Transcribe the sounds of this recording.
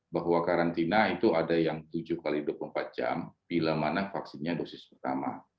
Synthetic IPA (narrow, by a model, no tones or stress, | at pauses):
baɦwakaɾant̪inait̪uadajaŋt̪ud͡ʒʊhkalidʊp̚əmpat̪̚d͡ʒa̰mb̥ilamanafaksɪnɲadosɪspərt̪ama̰